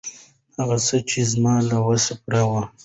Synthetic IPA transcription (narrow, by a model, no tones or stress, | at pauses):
haɣasət͡ʃezmɑːlawasapɽawa